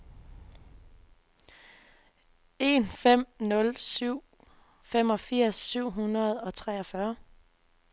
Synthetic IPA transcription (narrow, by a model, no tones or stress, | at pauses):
e̝nfem̰nɔ̽lsyʊ̰ | fem̰ɒ̽fiɐ̰sːyʊ̰ɦunɐð̞ˠɒ̽t͡sʰʁɛːɒ̽fɶɐ